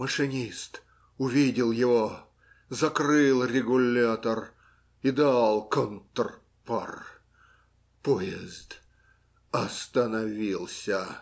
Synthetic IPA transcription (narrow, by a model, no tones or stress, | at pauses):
məʂɨnʲist̪ | ʊvʲidʲɪlˠjɪvo | zɐkrɨlˠrʲɪɡʊlʲat̪ər | id̪alˠkont̪r | pa̰r | pojɪzt̪ | ɐst̪ənɐvʲilˠsʲə